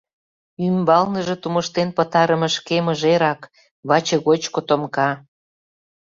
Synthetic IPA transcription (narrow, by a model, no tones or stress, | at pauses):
ymbɑlnəʒĕt̪umə̆ʃt̪enpə̆t̪ɑɾəmə̆ʃkemə̆ʒeɾɑk | βɑt͡ɕĕɣot͡ɕkot̪omkɑ